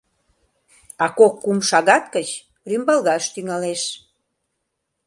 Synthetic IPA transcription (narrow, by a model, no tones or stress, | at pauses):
ɑkokːumʃɑɣɑt̪kət͡ɕ | rymbɑlɣɑʃt̪yŋɑleʃ